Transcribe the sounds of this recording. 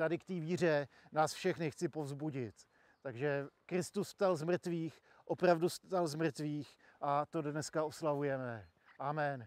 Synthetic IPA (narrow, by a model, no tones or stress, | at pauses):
t̪adɪkt̪iːviːr̝ɛnaːsfʃɛxnɪxt͡sɪpo̞vzbuɟɪt̪ː | aɡʒɛkɾɪst̪usst̪alzmr̩t̪viːx | ʔopɾavdust̪alzmr̩t̪viːx | ʔat̪o̞dnɛskaʔo̞slavujɛmɛ | ʔaːmɛn